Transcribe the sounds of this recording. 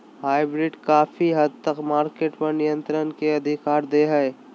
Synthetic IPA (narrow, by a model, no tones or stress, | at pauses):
haːɪbɾɪɖkaːfʰiɦəd̪t̪əkmaːɾkeːʈpɐɾnijə̃nt̪ɾənkeɐd̪ʱɪkaːɾd̪eɦɛj